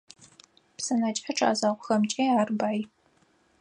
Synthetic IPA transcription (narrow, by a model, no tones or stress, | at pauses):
psɐnat͡ʃʼɐʈ͡ʂʰa̰ːzaːʁʷʊxɐmt͡ʃʼeːaːrbaːj